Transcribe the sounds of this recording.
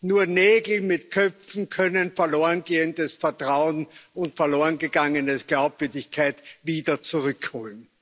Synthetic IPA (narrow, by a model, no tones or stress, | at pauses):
nuːɐneːɡl̩mɪtkʰœp͡fn̩kʰœnənfɛɐloːənɡeːəndəsfɛɐtʁ̥aʊənʊntfɛɐloːənɡəɡ̥aŋənəsɡ̥laʊpv̥ʏɐdɪçkʰaɪtviːdɐt͡suʁʏkhoːln